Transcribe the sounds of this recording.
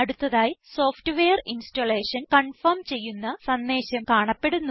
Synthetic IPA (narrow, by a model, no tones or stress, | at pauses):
ɐɽut̪ːɐðaːjiso̞ːfʈɨʋejɐrinstole̞ːɕɐnkɐɳfɐrmt͡ɕe̞jːunːɐsɐnd̪e̞ːɕɐmkaːɳɐpːe̞ɽunːu